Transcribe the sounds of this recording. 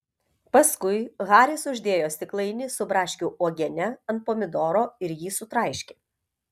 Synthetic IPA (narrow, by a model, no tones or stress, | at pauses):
pɐskʊɪɣɑːɾʲɪːsʊʒʲd̪ʲeːjoːsʲt̪ʲɪklˠɐɪnʲɪsʊbɾɑːʃʲkʲuːʔoːɡʲɛnʲɛɐnt̪̚pɔːmʲɪd̪ɔːɾoːɪɾjiːsʊt̪ɾɐˑɪʃʲkʲe